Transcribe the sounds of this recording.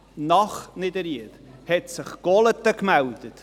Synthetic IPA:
nɑχnɪd̪əɾiət | hɛtsɪχɡ̥ɔlətːəkmæwd̥ət

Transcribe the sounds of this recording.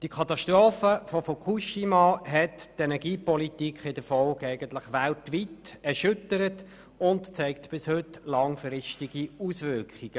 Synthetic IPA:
d̥iəkʰɑt̪ɑʃtʁoːfəfɔfokʰuʃimɑɦɛttɛnɛʁɡiːpɔlitikʰχɪdəfɔlɡæɪɡəntlɪχʋæltʋitɛʁʃʏtəɾət | ʊntt͡sɛɪktb̥ɪshøtlɑŋfrɪstiɡ̥iusʋʏʁkχiɡ̥ə

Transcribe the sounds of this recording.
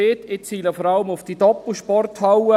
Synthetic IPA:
eːtɪt͡siːləfɔɾɑləmʊfd̥idɔpl̩ʃpɔrthawə

